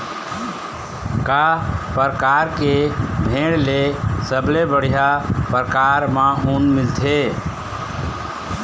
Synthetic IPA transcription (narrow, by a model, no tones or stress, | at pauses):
kapəɾəkaɾkebʱeɽlesəblebəɽ̤ijapɾəkaɾmãunmilt̪ʰe